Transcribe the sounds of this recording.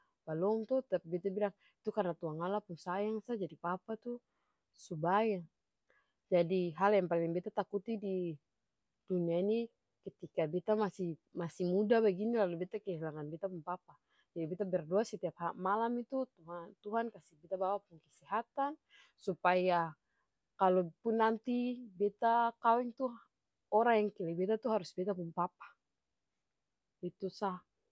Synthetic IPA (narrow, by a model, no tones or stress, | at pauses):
balɔmt̪ut̪apibit̪abilaŋ | it̪ukarnat̪uɦaŋalapuŋsajaŋsad͡ʒadipapat̪u | subaja | d͡ʒadiɦaljaŋpalɛŋbɛt̪at̪akut̪idi | d̥uniaini | kɛt̪ikabit̪amasimasimudabaɡinilalubit̪akɛɦilaŋanbit̪apuŋpapa | d͡ʒadibɛt̪abɛrduasɛt̪iap̚hamalamit̪ut̪uant̪uɦankasibɛt̪abawapuŋkɛsɛɦat̪an | supaja | kalɔpunːant̪ibɛt̪akawɛŋt̪u | ɔɾaŋjaŋkɛlɛbɛt̪at̪uɦaɾusbɛt̪apumpapḁ | it̪usah